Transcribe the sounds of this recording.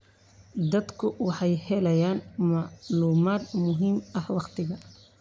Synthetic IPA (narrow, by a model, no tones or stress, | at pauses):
d̪ɐd̪kʰʊwɑħɑjhɛlɐjaːnmɑʕluːmaːd̪mʊɦiːmʔɐhwɑqt̪ʰɪɣɐ